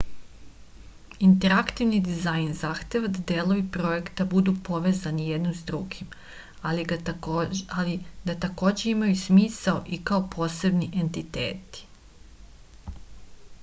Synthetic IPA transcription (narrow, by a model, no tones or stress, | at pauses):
int̪e̞ɾakt̪iʋnid̪izajnzaxt̪e̞ʋad̪ad̪eːlˠo̞ʋipɾo̞je̞kt̪abud̪upo̞ʋe̞ːzanije̞d̪nomzd̪ɾuɡim | alid̪at̪ako̞ːd͡ʑe̞imajusmiːsaoʔikao̞pʰo̞ːse̞bniʔe̞nt̪it̪ḛːt̪i̥